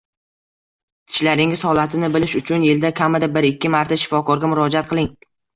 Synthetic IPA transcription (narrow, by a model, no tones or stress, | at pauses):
t̪ʰɪ̥ʃlaɾɪŋʲɪshɒlˠat̪ʰɪnɪbɪlɪʃʊt͡ʃʰʊnjeld̪akʲʰamɪd̪abɪɾɪkʲːɪmaɾt̪ʰaʃɪ̥fɒkɒɾɡʲamʊɾɒd͡ʒaat̪̚qʰɨlˠɪŋ